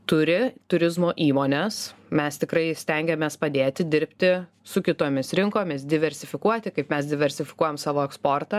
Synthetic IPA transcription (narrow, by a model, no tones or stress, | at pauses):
t̪ʊɾʲɪt̪ʊɾʲɪzmoːʔiːmoːnʲɛsmʲɛst̪ʲɪkɾɐɪsʲt̪ʲɛŋʲɡʲɛmʲeːspɐd̪ʲeːt̪ʲɪd̪ʲɪɾʲpʲt̪ʲɪ | sʊkʲɪt̪oːmʲɪsɾʲɪŋkoːmʲɪs̬d̪ʲɪʋʲɛɾʲsʲɪfʲɪkuɔt̪ʲɪkɐɪpmʲɛs̬d̪ʲɪʋʲɛɾʲsʲɪfʲɪkuɔjɛmsɑːʋoːɛkspoːrt̪ɑ